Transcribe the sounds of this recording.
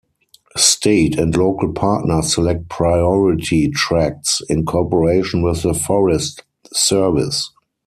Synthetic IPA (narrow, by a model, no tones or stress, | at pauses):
stʰeɪtʰæ̃ndloʊkəlpʰaːtnə˞sɛlɛk̚t̚pʰɹaɪɔɹɪtʰitʰɹæk̚sɪ̃nkʰɔpəɹeɪʃə̃nwɪθðəfɔɹɛst | sɜ˞vɪ̰s